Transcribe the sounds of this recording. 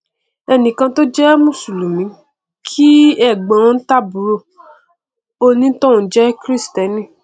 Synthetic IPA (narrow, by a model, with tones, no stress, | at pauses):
ɛ˧nĩ˨kã˧to˦d͡ʒɛ˦mũ˦˨su˨lu˨mĩ˨˦ | kʰi˦ɛ˦˨ɡ͡bã˨˦˧n̩˦ta˦˨bu˨˦ɾo˦˨ | o˧nĩ˦tõ˦˨˦d͡ʒɛ˦kɾi˦stɛ˨˦nĩ˦˨